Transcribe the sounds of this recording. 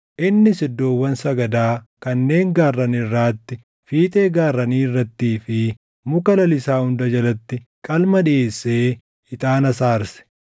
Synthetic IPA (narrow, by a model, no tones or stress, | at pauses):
ʔɪnːɪsɪd̪ːo̞ːwːɐnsɐɡɐd̪aː | kɐnːe̞ːŋɡaːrːɐnɪrːaːt̪ːɪ | fiːt̪ʼeːɡaːrːɐniːrːɐt̪ːiːfɪ | mʊkɐlɐlɪsaːhʊnd̪ɐd͡ʒɐlɐt̪ːɪkʼɐlmɐᶑɪe̞ːsːe̞ː | ɪt̪ʼaːnɐsaːɾsɛ̥